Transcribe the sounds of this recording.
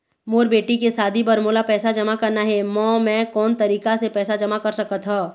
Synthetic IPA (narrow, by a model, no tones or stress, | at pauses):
moːɾbeːʈikesaːd̪ʱibɐɾmoːlapɛːsad͡ʒɐmakɐɾnaɦɛmɔ̃ːmɛ̃ːkɔːnt̪ɐɾiːkasepɛːsad͡ʒɐmakɐɾsɐkət̪ɦaː